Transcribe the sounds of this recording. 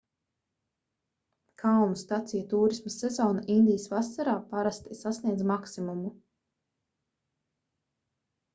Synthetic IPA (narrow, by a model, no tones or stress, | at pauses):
kʰawnust̪at̪sijat̪uːɾismasɛzɔːnaʔind̪ijəsvasaɾaːpaɾast̪isasniɛd̪zmaksimumu